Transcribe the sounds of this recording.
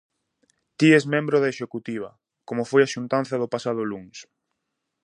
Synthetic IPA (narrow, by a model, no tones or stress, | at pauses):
t̪iezmẽmbɾʊðeʃekut̪iβ̞ɐ | komʊfojaʃunt̪an̟θɐðʊpasað̞ʊluŋs